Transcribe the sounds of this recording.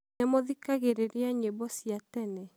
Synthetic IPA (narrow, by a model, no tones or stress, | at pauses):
nemoðikaɣeɾeɾeaɲebɔsjatɛnɛ